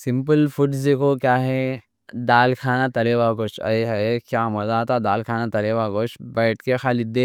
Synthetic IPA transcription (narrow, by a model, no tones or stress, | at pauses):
sɪmpəlfʰuɖd͡ʒekokjaːɦɛ | d̪aːlkʰaːnat̪ɐleʋakot͡ʃɐ̰eɦɐkjaːmɐzat̪ad̪aːlkʰaːnat̪ɐleʋaːɡoːt͡ʃʰbɐːʈkexaːlid̪e